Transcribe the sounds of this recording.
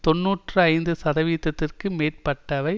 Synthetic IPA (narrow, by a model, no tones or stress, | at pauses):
t̪ɔnːuːʈrɯɐɪnd̪ɯsɐðɐʋiːt̪ːɐt̪ːɪrkɯmeːrpɐʈːɐʋɐɪ